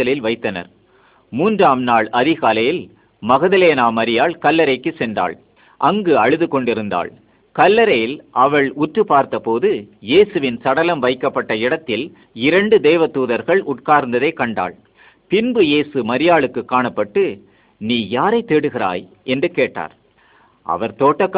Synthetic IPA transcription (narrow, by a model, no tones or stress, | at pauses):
ɐlɪlʋɐɪt̪ːɐnɐ̰ɾ | muːndraːmnaːɭɐðɪɣaːlɐjɪl | mɐɣɐðɐleːnaːmɐɾɪjaːɭkɐlːɐɾɐɪkːɯsɛndra̰ːɭ | ʔɐŋɡɯɐɻɯðɯkɔɳɖɪɾɯnd̪a̰ːɭ | kɐlːɐɾɐjɪlʔɐʋɐɭʊʈrɯpaːɾt̪ɐpoːðɯjeːsɯʋɪnsɐɽɐlɐmʋɐɪkːɐpːɐʈːɐɪɽɐt̪ːɪl | ɪɾɐɳɖɯd̪eːʋɐt̪uːðɐɾɣɐɭʊʈ̚kaːɾnd̪ɐðɐɪkːɐɳɖa̰ːɭ | pɪnbɯjeːsɯmɐɾɪjaːɭɯkːɯkːaːɳɐpːɐʈːɯ | niːjaːɾɐɪt̪ːeːɽɯɣɪɾa̰ːj | ʔɛndrɯkeːʈːa̰ːɾ | ʔɐ̰ʋɐɾt̪oːʈːɐkː